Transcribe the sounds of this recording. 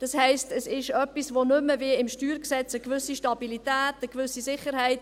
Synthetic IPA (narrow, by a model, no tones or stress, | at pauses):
d̥ɑshɛɪstəsɪʃœpːisʋonʏməviəɪmʃtyːɾksɛt͡səkvʏsiʃtɑbilit̪æːtəkvʏsisɪχəɾhɛɪt